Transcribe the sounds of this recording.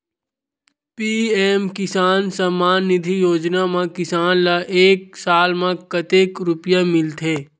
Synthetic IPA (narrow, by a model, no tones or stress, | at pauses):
piːeːmkɪsaːnsəmaːnːɪd̪ʱijoːd͡ʒnamãkɪsaːnlaʔeːksaːlmãkɐt̪eːkɾʊpjamɪlt̪ʰeː